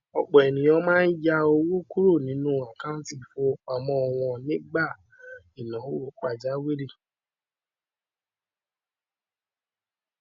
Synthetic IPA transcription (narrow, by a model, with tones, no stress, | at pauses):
ɔ˨k͡pɔ˨ɛ˨nĩ˨jɔ̃˧˦mãː˦n̩˦ja˧o˧wo˦ku˦ɾo˦˨nĩ˨˦nũ˦a˨kã˦ũ˦ti˦˨fo˧a˨mɔ̃˧ɔ˧w̃ɔ̃˧nĩ˦ɡ͡ba˦˨ | i˨nã˨˦o˦ɾo˨˦k͡pa˦˨d͡ʒa˦we˦ɾi˦˨